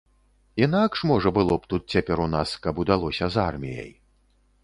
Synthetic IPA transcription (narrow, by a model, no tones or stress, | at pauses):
inakʂmɔʐɐbɨlˠɔpt̪ut̪̚t͡sʲapʲɛɾunaskɐbud̪alˠɔsʲɐzarmʲijɐ̰j